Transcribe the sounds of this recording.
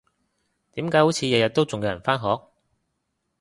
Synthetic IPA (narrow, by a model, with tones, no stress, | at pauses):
t̪iː˨˥mkaː˨˥jho˨˥wt͡sʰiː˨˧jɐ˨˧jɐ˨t̪̚ːo˥wt͡sʊ˨ŋjɛː˨˧jɐ˨˩faː˥nɦɔː˨˥k̚